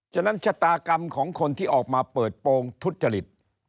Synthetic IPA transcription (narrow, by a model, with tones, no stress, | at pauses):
t͡ɕʰa˧˩na˦˥nt͡ɕʰa˦˥t̪aː˧ka˧mkʰɔː˩˦ŋkʰo˧nt̪ʰiː˥˩ʔɔː˨˩k̚maː˧pɤː˨˩t̪̚poː˧ŋt̪ʰu˦˥t̪̚t͡ɕa˧li˨˩t̪̚